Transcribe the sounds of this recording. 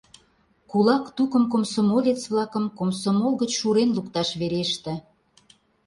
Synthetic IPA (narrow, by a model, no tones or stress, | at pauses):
kulɑkt̪ukə̆mk̬omsomolʲet͡sβlɑkə̆mkomsomolˠɣət͡ɕʃuɾenlukt̪ɑʃβeɾeʃt̪ĕ